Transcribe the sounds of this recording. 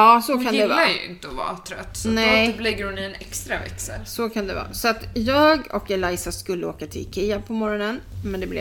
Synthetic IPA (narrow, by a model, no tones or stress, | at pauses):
ɑːsɔkʰand̪ɛvajɵ̰ɪ̰nt̪əɔvɑ̰ːt̪ʰɾœ̰t̪ːnɛblɪɡːəɾhʊnɪɛnɛkst̪ɾavɛ̰ksə̰ɾsɔkʰand̪ɛvɑ̰ːsɔat̪jɑːɡɔkɛlajsaskɵlːəo̰ːkat̪ʰɪ̰kʰɪːapʰɔmɔɾɔnənmɛnd̪ɛblɛ